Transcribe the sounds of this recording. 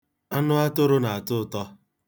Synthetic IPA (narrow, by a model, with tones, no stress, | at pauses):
a˦nʊ˦a˦tʊ˦ɾʊ˦na˨a˨tʊ˦˨tɔ˦